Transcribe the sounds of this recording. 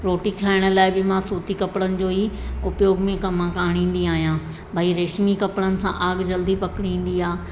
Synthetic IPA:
ɾoːʈikʰaːɪɽ̃ə̆laːɪbɪmãsuːt̪ikɐpɽənɪ̆d͡ʑoːiʊpjoːɡmẽkɐmãkaːɽ̃ĩːn̆d̪iaːɦijãː | bʱɐiɾeːʃmikɐpɽənɪ̆sã̰ʔaːɡd͡ʑɐld̪ipɐkɪɽ̃ĩːn̆d̪iaː

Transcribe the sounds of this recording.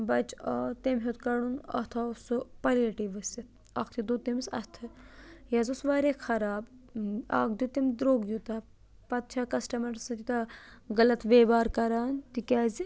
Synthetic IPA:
bɐt͡ʃɐt̪emɦet̪kɐɽunɐ̰t̪ʰaːsupɐleʈiʋɐsit̪ | ɐ̰kʰt̪id̪ut̪imsɐ̰st̪ʰɨjɐzusʋaːɾekʰɐɾaːba̰ːkd̪ut̪imd̪ɾoːɡjut̪ɐ | pɐt̪̚t͡ʃʰakɐsʈɐmɐɾsɐt̪it̪ɐɡɐlɐt̪ʋeːbaːɾkɐɾaːnt̪ikʲaːzi

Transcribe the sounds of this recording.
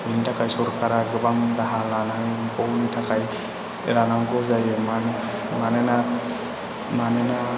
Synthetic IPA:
bintʰakʰajsɔɾkʰaɾaɡɯbaŋdaɦalanɦajpɔwnitʰakʰaj | ḛɾanaŋɡɔzajɯman | manena | manena

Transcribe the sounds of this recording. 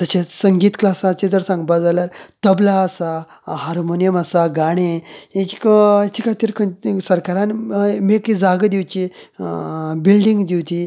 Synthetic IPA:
t̪ət͡ɕesəŋɡiːt̪klasat͡sed͡zəɾsãŋɡbad͡zaljaɾt̪əblaəsa | ɦaɾmonijəməsaɡaɽ̃ejet͡ɕi̥kt͡ɕikʰat̪iːɾkʰəsəɾkaɾanmekid͡zaɡd̪iwt͡ɕe | bilɖiŋɡd͡ʑiwt̪i

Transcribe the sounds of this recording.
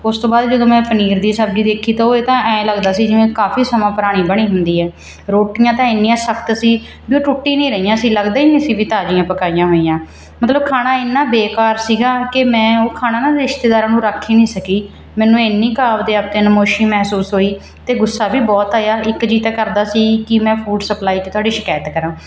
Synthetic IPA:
ʊst̪õːbaːd̪d͡ʒəd̪õːmɛ̃ːpəniːɾd̪iːsəbd͡ʒiːd̪eːkʰːiːt̪aːoːeːt̪ãːʔɛ̃ːləɡd̪aːsiːd͡ʒɪʋẽːkaːfʰiːsəmãːpəɾaːɽ̃iːbəɽ̃iːɦʊnd̪iːɛː | ɾoːʈɪjãːt̪ãːɪnːĩːãːsəkʰt̪siː | biːoːʈʊʈːiːnĩːɾəijãːsiːləɡd̪aːiːɪsĩːbiːt̪aːd͡ʒɪjãːpəkaːijãːɦoːiːjãː | mət̪ləb̚kʰaːɽ̃aːɪnːãːbeːkaːɾsiːɡaːkɪmɛ̃ːoːkʰaːnaːnãːɾɪʃt̪eːd̪aːɾãːnũːɾakʰːiːnĩːsəkiː | mɛ̃ːnũːeːnːĩːkaːʋd̪eːaːp̚t̪ẽːnəmoːʃiːmɛːɦsuːsɦoːiː | t̪eːɡʊsːaːbiːbɔːt̪aːjaːʔɪkd͡ʒiːt̪ɛːkəɾd̪aːsiːkɪmɛ̃ːpʰuːɖsəplaːiːt͡ʃːt̪ʊaːɖiːʃɪkaːət̪kəɾãː

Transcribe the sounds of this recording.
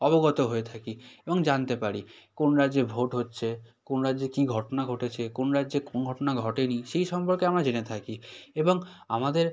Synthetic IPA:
ɔbɔɡɔt̪oɦoet̪ʰakiebɔŋd͡ʑant̪epaɾikonɾad͡ʒd͡ʑebʱoʈɦotːɕʰe | konɾad͡ʑekiɡʱɔʈonaɡʱɔʈet͡ɕʰekonɾad͡ʒekonɡʱɔʈonaɡʱɔʈeniʃejʃɔmpɔɾkeamɾad͡ʑenet̪ʰakiebɔŋamad̪eɾ

